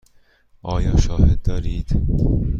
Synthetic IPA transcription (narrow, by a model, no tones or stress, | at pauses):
ɒːjɒʃɒːhed̪̚ːɒɾid̪